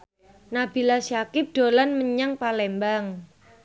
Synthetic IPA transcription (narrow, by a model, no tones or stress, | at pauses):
nabi̤lasjakɪp̚d̪̥o̤lanməɲaŋpalɛmbaŋ